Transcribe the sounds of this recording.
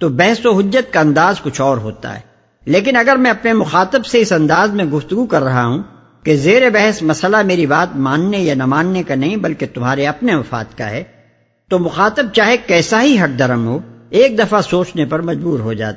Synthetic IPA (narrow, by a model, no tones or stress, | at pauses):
t̪obɛɦsoɦʊd͡ʒːət̪̚kaɐ̃nd̪aːzkʊt͡ʃʰɔːɾɦo̰ːt̪a̰ɦɛ̰ː | leːk̬ɪnɐɡəɾmɛ̃ɐpnemʊxaːt̪əbseɪsɐ̃nd̪aːzmẽɡʊft̪ʊɡukɐɾːɐɦaɦũ | kezeːɾebɛɦɛsmɐsəlameːɾibaːt̪̚mãːnːejanɐmãːnːekanɐɦĩbɐlket̪ʊmɦaːɾeɐpneʋɐfa̰ːt̪ka̰ɦɛː | t̪omʊxaːt̪əb̚t͡ʃaːɦekɛːsaɦiɦɐʈ̚d̪ɐɾəmɦoːeːk̚d̪ɐfasoːt͡ʃnepɐɾmɐd͡ʒbuːɾɦod͡ʒa̰ːt̪ː